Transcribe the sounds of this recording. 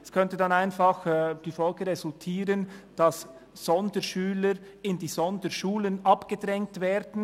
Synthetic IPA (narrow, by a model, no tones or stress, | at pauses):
ɛskʰœntədɑnaɪnfɑxd̥iːfɔlɡəʁezʊltʰiːʁənd̥ɑsː | ɔndəʃyːləɾ | ɪndiːzɔndəʃuːlənɑpɡ̥ədʁɛŋ̚tvɛːɾdn̩